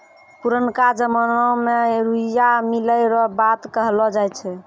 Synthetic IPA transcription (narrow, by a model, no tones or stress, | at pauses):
puɾənkad͡ʒəmənɔmeɾuijamiləɾɔbat̪kəɦlɔd͡ʒajt͡ʃʰɛ